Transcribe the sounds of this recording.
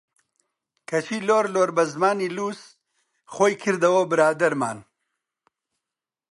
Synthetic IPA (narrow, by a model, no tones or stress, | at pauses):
kʰɐt͡ʃʰiːloːɾloːɾbɐzmaːniːluːs | χoːjkʰɨɾd̪ɐwobɨɾaːd̪ɐɾmaːn